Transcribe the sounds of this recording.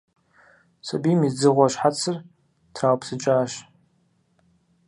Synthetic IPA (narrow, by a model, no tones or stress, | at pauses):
sɐbiːmid͡zɨʁʷɔɕħat͡sʰɨr | tʰraːwpʰsɨt͡ʃʼaːʃ